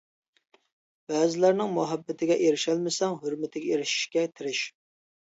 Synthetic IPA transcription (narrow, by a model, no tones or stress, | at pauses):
b̥æːzɪlæɾnɪŋmuɦæbːɪt̪ʰɪɡʲɛʔeɾɪʃɛlmɪsɛŋɦøɾmɪt̪ʰɪɡʲɛeɾɪʃi̥ʃkʲɛt̪ʲʰɪɾɪʃ